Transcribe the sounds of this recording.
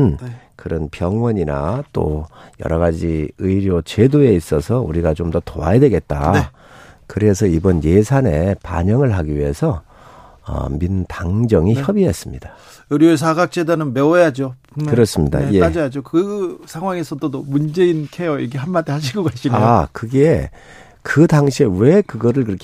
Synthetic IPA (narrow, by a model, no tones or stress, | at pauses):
n | kɯɾʌnpjʌŋwʌɲinat͈o̰jʌ̰ɾʌɣad͡ʑiɯiɾjot͡ɕe̞doe̞is͈ʌsʰʌṵɾiɡat͡ɕomdʌtoa̰jadwe̞ɡe̞t̚t͈ae | kɯɾe̞s̬ʰʌibʌnje̞sʰane̞pa̰ɲʌŋɯɭɦaɡiɥiɦe̞sʰʌ | ʌ̰mindaŋd͡ʑʌŋiçjʌbiɦe̞s͈ɯmɲida | ɯɾjoes̬ʰaɡak̚t͡ɕ͈edanɯnmejad͡ʑo | kɯɾʌs͈ɯmɲida̰jead͡ʑʌjad͡ʑokɯsʰaŋɦwaŋe̞sʰʌdodomund͡ʑe̞inkʰejʌiɡeɦanmadehaɕ̬ʰiɡʌɡaɕʰiakɯɡe | kɯdaŋɕʰiewe̞kɯɡʌɾɯɭkɯɾʌkʰ